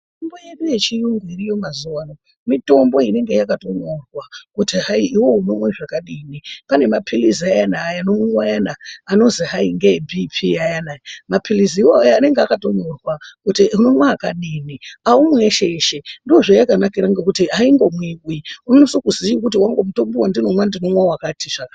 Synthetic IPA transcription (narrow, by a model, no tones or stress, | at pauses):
mittomboje̞ɗuje̞t͡ʃijuŋɡwirijomazuwano | mito̞mbo̞ine̞ŋɡe̞jakato̞norwakutiɦaiːwo̞uno̞mweʐakaɗiːnipane̞mapʰiliziajanaːjano̞miwajanaːno̞ziɦaiŋɡebʱipʰiajanajamapʰiliziiwoajaane̞ŋɡeakato̞norwakutiuno̞mwaːkaɗiːniaumweʃeʃendioʐojakanakiɾaŋɡekutiɦaiŋɡo̞mwikwiunonosokuziikut̬iwaŋɡomuto̞mbowandino̞mwandino̞mwawakatʰiʐaka